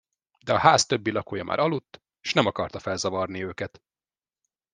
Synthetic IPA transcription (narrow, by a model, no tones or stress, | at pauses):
d̪ɛɒhaːst̪ø̞bːilɒkujɒmʔa̰ːɾʔɒlut̪ː | ʃnɛmɒkɒrt̪ɒfɛlzɒvɒrniøːkɛt̪